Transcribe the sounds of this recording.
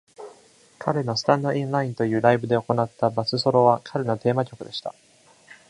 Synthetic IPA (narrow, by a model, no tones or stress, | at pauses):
kʰaɾe̞no̞sɨ̥t̪ãnːo̞ʔĩnɾaĩnt̪o̞jɯ̟ːɾaibɯ̟d̪e̞o̞ko̞nat̪ːabat͡sɨso̞ɾo̞βakʰaɾeno̞t̪e̞ːmakʲo̞kɯ̟d̪e̞ɕi̥t̪a̰